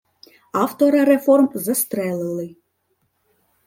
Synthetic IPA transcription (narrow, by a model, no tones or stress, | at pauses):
aft̪oɾɐɾɛfɔrmzɐst̪ɾɛlˠɨlˠɨ